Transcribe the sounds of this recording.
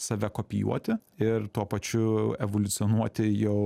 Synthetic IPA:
sɐʋʲɛkoːpʲɪjṵɔt̪ʲɪɪɾt̪uɔpɐt͡ʃʲʊɛʋolʲʊt̪sʲɪɔnuɔt̪ʲɪjɛʊ

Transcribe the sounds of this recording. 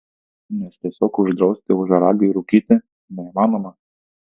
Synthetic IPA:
nʲɛst̪ʲɛsʲɔːkʊʒd̪ɾɔʊsʲt̪ʲɪʊʒɐɾɑːɡʲɪiɾukʲiːt̪ʲɪ | nʲɛimɑːnomɐ

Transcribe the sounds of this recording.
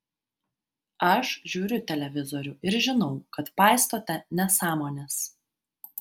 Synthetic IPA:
ɐʃʒʲuːɾʲʊt̪ʲɛlʲɛʋʲɪzɔɾʲʊɪɾʒʲɪnɒʊkɐt̪pɑːˑɪst̪oːt̪ʲɛnʲɛsɑːmoːnʲɛs

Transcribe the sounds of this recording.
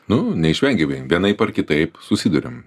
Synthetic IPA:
nʊnʲɛɪʃʲʋʲɛŋʲɡʲɛʋʲɛʋʲiɛnɐɪpɐɾkʲɪt̪ɐɪpsʊsʲiːd̪ʊɾʲɪ̰m

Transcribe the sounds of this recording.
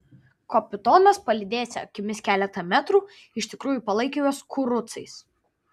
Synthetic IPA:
koːpʲɪt̪oːnɐspɐlʲɪd̪ʲeːsʲɐ̰kʲɪmʲɪskʲæːlʲɛt̪ɐmʲæt̪ɾuː | ɪʃʲt̪ʲɪkɾuːjuˑpɐlˠɐɪkʲejoːskʰʊɾʊt̪sɐɪs

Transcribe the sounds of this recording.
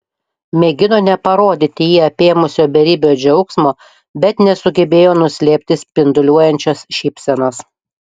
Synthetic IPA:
mʲɛɡʲɪnoːnʲɛpɐɾoːd̪ʲɪt̪ʲɪjiːɐpʲeːmʊsʲoːbʲɛɾʲiːbʲoːd͡ʒʲɛʊksmoː | bʲɛt̪nʲɛsʊɡʲɛbʲeːjoːnʊsʲlʲeːpʲt̪ʲɪsʲpʲɪnd̪ʊlʲuɔjɛnʲt͡ʃʲosʃʲipʲsʲɛnɐs

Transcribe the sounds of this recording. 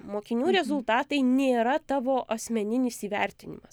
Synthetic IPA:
moːkʲɪnʲuːɾʲɛzʊlˠt̪ɑːt̪ɐɪnʲeːɾɐt̪ɑːʋoːʔɐsʲmʲɛnʲɪnʲɪsiːʋʲæ̰ˑɾʲt̪ʲɪnʲɪ̰mɐs

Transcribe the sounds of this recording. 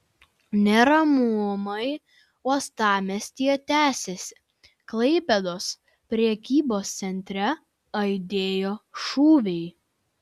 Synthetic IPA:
nʲɛɾɐmumɐɪ | uɔst̪ɑːmʲɛsʲt̪ʲiɛt̪ʲæːsʲesʲɪ̥ | klˠɐɪpʲɛd̪oːs | pʲɾʲɛɛkʲiːboːst̪sʲɛnʲt̪ʲɾʲɛ | ɐɪd̪ʲeːjoːʃuːʋʲɛɪ

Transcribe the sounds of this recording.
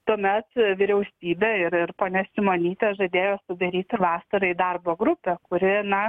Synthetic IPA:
t̪uɔmʲɛt̪ʋʲɪɾʲɛʊsʲiːbʲeːɪɾɪrpoːnʲɛsʲɪmoːnʲiːt̪ʲeːʒɐd̪ʲeːjoːsʊd̪ɐɾʲiːt̪ʲʋɑːsɐɾɐid̪ɐrboːɡɾʊpʲɛːkʊɾʲɪnɐ

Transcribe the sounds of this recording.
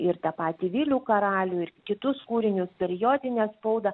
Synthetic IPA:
ɪɾt̪ɑpɑːt̪ʲiːʋʲiːlʲuːkɐɾɑːlʲuːɪɾkʲɪt̪ʊskuːɾʲɪnʲʊspʲɛɾʲɪjoːd̪ʲɪnʲɛspoʊd̪ɐ

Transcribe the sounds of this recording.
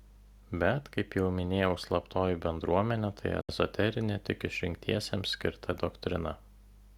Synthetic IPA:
bʲɛt̪kɐɪpjɛʊmʲɪnʲeːjɛʊslˠɐpt̪oːjibʲɛnd̪ɾuɔmʲɛnʲɛt̪ʰɐɪɛ̰zɔt̪ʲɛɾʲɪnʲet̪ʲɪkɪʃʲɾʲɪŋʲk̚ʲt̪ʰʲiɛsʲemsʲkʲɪ̰ɾt̪ʰɐd̪ɔkt̪ʲɾʲɪnɐ

